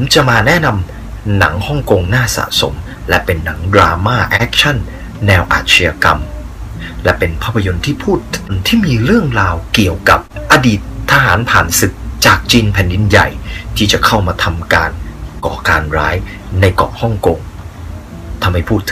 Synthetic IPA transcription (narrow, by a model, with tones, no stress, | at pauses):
pʰo˩˦mt͡ɕa˨˧˩maː˧nɛː˦˥˩na˧m | na˩˦ŋhɔ˥˩ŋko˧ŋnaː˥˩sa̰˨˩so̰˩˦m | lɛ̰˦˥pe˧nːa˩˦ŋdɾaː˧maː˥˩ʔɛː˦˥k̚t͡ɕʰa˥˩nː | ɛː˧wʔa̰ː˨˩t̪̚sʰi˧ja˧ka˧m | lɛ˦˥pe˧npʰaː˥˩pʰːa˧jo˧nt̪ʰiː˥˩pʰuː˥˩t̪ʰːŋt̪ʰiː˥˩miː˧ɾɯ˥˩əŋɾaː˧wki˨˩əwka˨˩p̚ʔaː˧diː˨˩t̪̚ʰːaː˧ɦaː˩˦npʰaː˨˩nsɯ˨˩k̚t͡ɕaː˨˩k̚t͡ɕiː˧npʰɛ˨˩˦ndi˧nja̰˨˩jt̪ʰiː˥˩t͡ɕa˨˩kʰa˥˩wmaː˧t̪ʰa˧mkaː˧nkɔ̰ː˩kaː˧nɾaː˦˥j | na˧jkɔ̰ː˨˩hɔ˥˩ŋko˧ŋ | t̪ʰa˧mha˥˩jpʰuː˥˩t̪ʰːɯ̥˩˦